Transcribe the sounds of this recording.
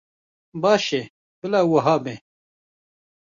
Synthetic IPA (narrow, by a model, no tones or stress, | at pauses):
baːɕe | pilaːwɐɦaːmẽ